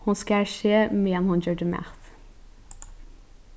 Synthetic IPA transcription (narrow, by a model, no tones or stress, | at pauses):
hʊnskæʃeːmeːɛnhʊnd͡ʒøːɖəmæ̰θ